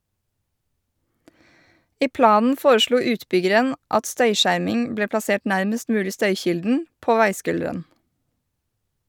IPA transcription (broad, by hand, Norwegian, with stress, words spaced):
ˈiː ˈplɑːnn̩ ˈfoːɾəˌʃluː ˈʉːtˌbʏɡəɾən ˈʔɑt ˈstœʏˌʃæɾmɪŋ ˈbleː plɑˈseːʈ ˈnæɾməst ˈmʉːlɪ ˈstœʏˌçɪldn̩ ˈpoː ˈʋæɪˌskʉldəɾən